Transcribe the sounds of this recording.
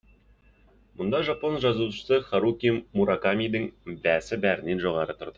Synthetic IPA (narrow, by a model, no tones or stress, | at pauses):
mʊ̆nd̪ɑʒaponʒɑzuʃə̥səχaɾukʲimmuɾakamʲijd̪əŋbæsɪbæɾɪ̆nːe̞nʒoʁɑɾət̪ʰŏɾd̪̥ə